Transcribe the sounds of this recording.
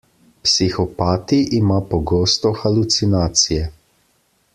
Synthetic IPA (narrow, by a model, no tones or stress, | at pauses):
psixɔpaːt̪iʔːmapɔɡoːst̪ɔxalut̪sinaːt̪sijɛ